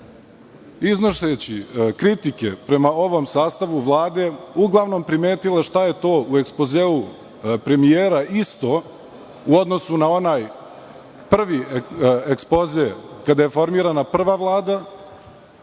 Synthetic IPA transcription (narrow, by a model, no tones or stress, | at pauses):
iznoʃet͡ɕikɾit̪ikepɾe̞mao̞ʋo̞msaːst̪aʋuʋlˠaːd̪e̞uɡlˠaʋno̞mpɾime̞ːt̪ileʃt̪aje̞t̪o̞ːue̞kspo̞zeːu | pɾe̞mijeːɾaʔist̪o̞ | uo̞d̪no̞sunao̞naːj | pr̩ʋiekspo̞zekad̪aje̞fo̞ɾmiːɾanapr̩ʋaʋlˠaːd̪a